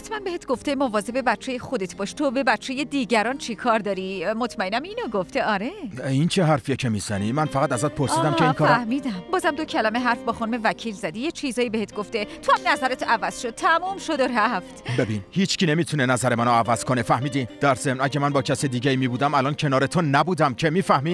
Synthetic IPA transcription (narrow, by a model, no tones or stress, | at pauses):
t̪ʰmænbeet̪ɡo̞ft̪emovɒːze̞be̞bæt͡ʃʰːejexod̪et̪ʰbɒːʃt̪ʰobe̞bæt͡ʃʰːejed̪iːɟæɾɒnt͡ʃʰikʰɒːɾd̪ɒːɾimot̪ʰmæenæmiːnoɡoft̪e̞ɒɾe̞int͡ʃʰeɦæɾfijecʰemizænimænfæʁæt̪æzɒːt̪̚pʰoɾsiːd̪æmkʰeinkʰɒɾɾæhmiːd̪æmbɒːzæmd̪ocʰælæmeɦæɾfbɒːxunume̞væcʰiːlzæd̪ijet͡ʃʰizɒːjibehet̪ʰɡoft̪et̪ʰoæmnæzæɾet̪ʰævæz̥ʃod̪̚t̪ʰæmumʃod̪oræft̪bebinhiːt͡ʃcʰinemiːt̪ʰunenæzæɾemænoævæz̥kʰo̞nefæhmiːd̪id̪̥æɾzemnʔæɟemænbɒːcʰæsed̪iːɟæiːmiːbuːd̪æmælɒːncʰe̞nɒːɾet̪ʰonæbuːd̪æmcʰemiːfæhmiː